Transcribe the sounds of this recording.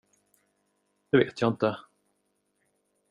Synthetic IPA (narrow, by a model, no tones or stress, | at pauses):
d̪̥ɛvḛːt̪ʰjɑːɪnt̪ə